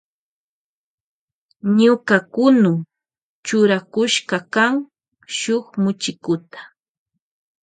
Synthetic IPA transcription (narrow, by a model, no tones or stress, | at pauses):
ɲʊkakʊnʊ | t͡ʃʊɾakʊʃkakaŋ | ʃoχmʊt͡ʃɪkʊt̪ḁ